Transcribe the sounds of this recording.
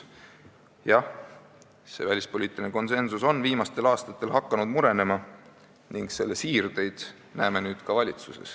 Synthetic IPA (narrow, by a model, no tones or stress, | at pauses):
jɑ | se̞vælʲispo̞lʲiːt̪ilʲineko̞nse̞nsuso̞nviːmɑst̪e̞lɑːst̪ɑt̪ːˑe̞lhɑkˑːɑnud̪muɾe̞ne̞mɑ | niŋɡse̞lːe̞siːrd̪̥e̞jd̪̥ | næːme̞nyːd̪̥kɑvɑlʲit̪susḛs